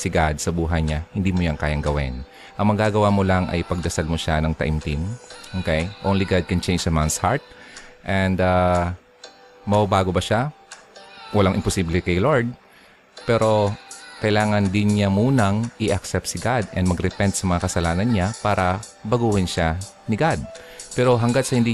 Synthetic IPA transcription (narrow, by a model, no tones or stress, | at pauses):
sɪɡad̪̚sɐbuːɦɐjɲahɪnd̪iːmojaŋkaːjɐŋɡɐwɪ̰n | ʔɐŋmɐɡaːɡɐwamolaŋɐ̰jpɐɡ̚d̪ɐsalmoʃanɐŋt̪ɐ̰ʔimt̪imʔokejʔonliɡad̪̚kɐnt͡ʃɛ̃jnd͡ʒsɐmansha̰ɹt̪̚ʔɛnd̪a | mɐbabaːɡo̞bɐʃa | wɐlaŋʔɪmposiːblɛkɐjloɹd̪̚ | pɛɾo̞kɐjlaːŋɐnd̪ɪnɲamuːnɐŋʔɪʔɐksɛp̚t̪sɪɡad̪ɛnd̪mɐɡɾɛpɛnt̪sɐmɐŋakɐsɐlaːnɐnɲapaːɾɐ | bɐɡuːhɪnʃanɪɡad̪̚pɛːɾo̞ɦɐŋɡat̪sɐhɪnd̪i